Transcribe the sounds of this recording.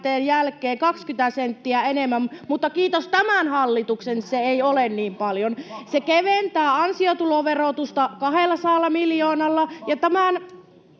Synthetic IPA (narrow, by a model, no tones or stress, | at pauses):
t̪eːnjælkˑeːkɑkskyt̪æsent̪ːiæenemːæmmut̪ːɑkiːt̪ost̪æmænhɑlːit̪uksenseeiolenniːmpɑljonsekeʋent̪æːɑnsiot̪uloʋerot̪ust̪ɑkɑhelːɑsɑːlːɑmiljoːnɑlːɑjɑt̪æmæn